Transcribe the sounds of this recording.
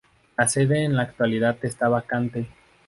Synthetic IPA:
laseðe̞ːnlaːkt̪waliðaðest̪aβakant̪e̞

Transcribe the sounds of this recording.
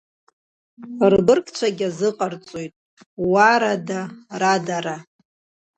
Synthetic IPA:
rɡɨrkʰʼt͡ʃʷʰaɡʲazɨqʼart͡sʼojtʼ | waɾadaradaɾa

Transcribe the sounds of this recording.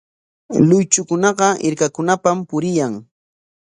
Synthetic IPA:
lʊjt͡ʃʊkʊnɑɢɑʔɪ̰ɾkakʊnapampʊɾɪjaŋ

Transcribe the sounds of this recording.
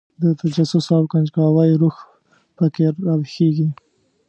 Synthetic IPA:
d̪ət̪ad͡ʒasʊsawkand͡ʒkɑwajɾux | pəkeɾːɑbxeɡi

